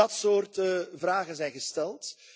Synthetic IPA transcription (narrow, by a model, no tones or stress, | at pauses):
ɑtsoːrtəvraːɣənzɛjnɣəstɛlˠt